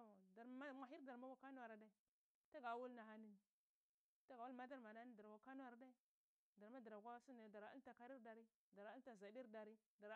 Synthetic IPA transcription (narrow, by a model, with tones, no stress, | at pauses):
da˨ɾma˦mʷa˨ɦi˦ɾda˨ɾma˦wa˦ka˦nu˦wa˨ɾa˨da˦i˨ | ta˦ɡa˨wu˦lna˨ɦa˦ni˦˨n˨ | ta˦ɡa˨wu˦lma˦da˦ɾma˨na˦ni˦da˨ɾɡʷa˨ka˦n˦a˨ɾa˨˦da˦i˦ | da˨ɾma˦da˨ɾa˨ɡʷa˦su˦n˨da˨ɾa˨˦a̰˦n˦ta˨ka˦ɾi˦ɾda˨ɾi˦ | da˨ɾa˦ta˨za˨di˦ɾda˨ɾi˦ | da˨ɾ